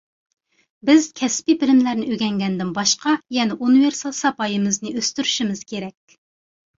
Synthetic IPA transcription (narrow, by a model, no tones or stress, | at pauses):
bɪz̥kʲʰɛspibɪlɪmlæɾnɪʔøɡʲɛŋɡʲɛnd̪ɪnbɑʃqɑjɛnɛʔunɨveɾsɑlˠsɑpɑjɨmɨznɨʔøst̪yɾyʃimɨz̥kʲʰeɾɛkʲ